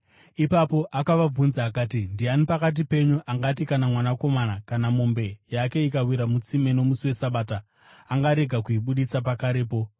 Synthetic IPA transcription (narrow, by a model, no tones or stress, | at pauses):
ipapo̞ʔakaʋab͡vunzaːkaːtindianipakat̬ipe̞ɲuʔaŋɡatikanamwanako̞manakanamo̞mbe̞jake̞ikawiɾamut͡sime̞no̞musiwe̞saɓaːtaː | ŋɡaɾe̞ɡʱakuiɓuɗit͡sapakaɾe̞ːpo̞